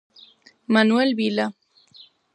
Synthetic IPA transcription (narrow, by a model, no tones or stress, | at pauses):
manuelbila